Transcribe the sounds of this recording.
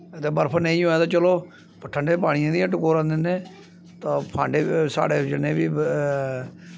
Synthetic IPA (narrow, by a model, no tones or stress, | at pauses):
ət̪eːbəɾpʰənə̃ĩːɦoːɛːt̪ãːt͡ʃəloː | pəʈʰəɳɖeːp̬aːɽ̃ɪjãːd̪iãʈʊkoːɾãːnd̪enẽː | t̪ãːpʰãːɳɖeːsa̰ːɽeːd͡ʒɪnẽːbiː